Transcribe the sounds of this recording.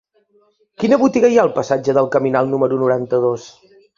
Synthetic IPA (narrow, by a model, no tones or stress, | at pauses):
kinəβut̪iɣəiaəlˠpəsad͡ʒəðəlˠkəminalˠnuməɾunuɾant̪əðos